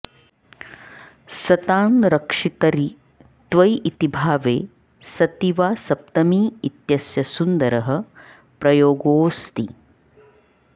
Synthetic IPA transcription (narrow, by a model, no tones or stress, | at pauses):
sɐt̪aːnɾɐkʂit̪ɐɾi | t̪ʋɐjʔit̪ibʱaːʋeː | sɐt̪iʋaːsɐp̚t̪ɐmiːit̪jɐsjɐsund̪ɐɾɐɦɐ̆ | pɾɐjoːɡoːst̪i